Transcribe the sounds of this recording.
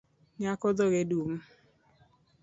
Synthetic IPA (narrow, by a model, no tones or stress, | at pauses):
ɲakɔdɔɣedum